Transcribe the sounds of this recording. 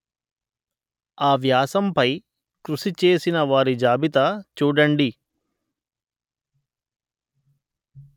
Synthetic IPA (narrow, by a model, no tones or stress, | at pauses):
aːʋjaːsɐmpɐj | kɾuʂit͡ʃe̞ːsinɐʋaːɾid͡ʒaːbit̪ɐt͡ʃuːɽɐɳɖi